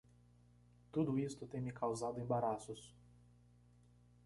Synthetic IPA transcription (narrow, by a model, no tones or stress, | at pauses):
t̪ud̪ʊist̪ʊt̪ẽj̃mɪkʰawzad̪ʊẽbaɾasʊs